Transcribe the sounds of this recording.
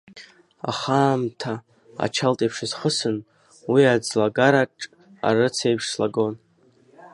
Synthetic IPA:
a̰χaːmtʰa̰ː | t͡ʃʰaltʼipʰʂɨzχəsɨn | wiad͡zlaɡaɾaʈ͡ʂʼ | a̰ɾɨt͡sʰe̞jpʰʂslaɡo̞n

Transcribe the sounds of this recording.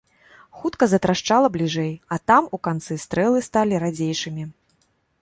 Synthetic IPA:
xut̪kɐzɐt̪ɾaʂt͡ʂalˠɐblʲiʐɛjɐt̪amukant̪sɨst̪ɾɛlˠɨst̪alʲiɾad͡zʲejʂɨmʲi

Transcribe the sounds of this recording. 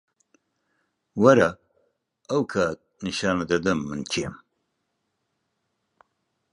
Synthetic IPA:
wɐɾa | ɐwkʰat̪̚nɨʃaːnɐd̪ɐd̪ɐmːɨnt͡ʃʰem

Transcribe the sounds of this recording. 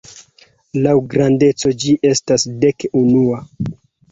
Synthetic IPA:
lawɡɾande̞t͡so̞d͡ʒiʔe̞stasde̞kunua

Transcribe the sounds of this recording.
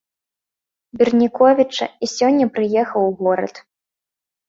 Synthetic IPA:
bʲirnʲikɔvʲit͡ʂɐ̰isʲɔnʲːɐpɾɨjɛxɐwɣɔɾɐ̰t̪

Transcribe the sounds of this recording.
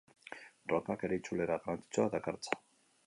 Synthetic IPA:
rɔkakeɾit͡ʃʰuleɾaɾant͡sʰi̥t͡sʰoad̪akaɾt͡sʰḁ

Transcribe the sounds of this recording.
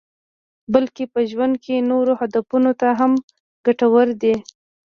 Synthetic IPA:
bəlkepəʒwand̪̚kenoɾohad̪afunot̪aɦam | ɡ̥aʈawəɾd̪e

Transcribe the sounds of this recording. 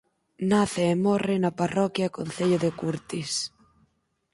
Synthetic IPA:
naθeːmɔrɪnɐparɔkjakonθeʎoðekuɾt̪is

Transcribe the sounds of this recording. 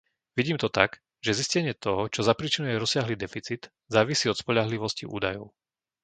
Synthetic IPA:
ʋiɟiːmt̪ɔt̪aɡ | ʒɛziscɛɲɪɛt̪ɔɦɔt͡ʃɔzapɾiːt͡ʃinujɛɾɔsɪaɦliːd̪ɛfit͡sid̪ | zaːʋisiːɔt̪spɔʎaɦliʋɔscḭʔṵːd̪ajɔʊ

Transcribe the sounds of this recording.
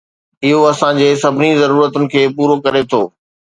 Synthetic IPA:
ɪɦoɐsãd͡ʑeːsɐbʱɪnizɐɾuːɾət̪ʊnɪ̆kʰeːpuːɾokɐɾet̪ʰoː

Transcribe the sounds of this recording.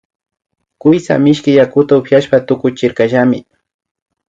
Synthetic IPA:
kʊjsa̰mɪʃkɪjakʊt̪aʊpjaʃpat̪ʊkʊt͡ʃɪɾkaʒamɪ

